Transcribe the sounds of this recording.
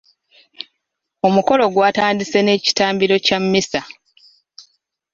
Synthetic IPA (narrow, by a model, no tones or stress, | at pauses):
o̞muko̞lo̞ɡwaːtaːndise̞ne̞ːci̥taːmbiɾo̞camːisa